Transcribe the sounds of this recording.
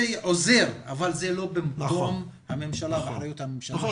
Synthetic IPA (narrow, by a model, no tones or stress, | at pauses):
eʕoze̞ʁa̰valzelo̞bemkomhamemʃalava̰ħɾajut̪hamemʃal